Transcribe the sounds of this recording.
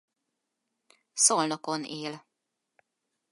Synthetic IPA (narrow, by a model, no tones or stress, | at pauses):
solnokoneːl